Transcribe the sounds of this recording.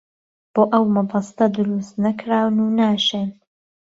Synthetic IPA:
b̥oːʔɐwmɐbɑst̪ɐd̪ʊɾust̪nɐkʰɾaːwnuːnaːʃeːn

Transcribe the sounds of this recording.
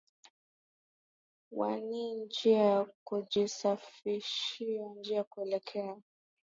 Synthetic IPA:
wa̰nind͡ʒiakud͡ʒisafiʃiand͡ʒiajakuɛlɛkʰɛa

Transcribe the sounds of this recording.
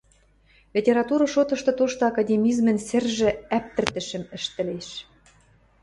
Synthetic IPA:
lʲetʲeɾɑt̪uɾɤ̆ʃot̪ɤ̆ʃt̪ɤ̆t̪oʃt̪ŏɑkɑdʲemʲizmɘ̆nsɘ̆rʒɘ̆æp̚t̪ɘ̆rt̪ɘ̆ʃɘ̆mɘ̆ʃt̪ɘ̆leʃ

